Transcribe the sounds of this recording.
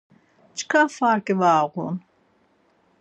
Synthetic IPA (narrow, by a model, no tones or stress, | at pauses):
t͡ʃʰkʰafaɾkʼɛvaːʁṵn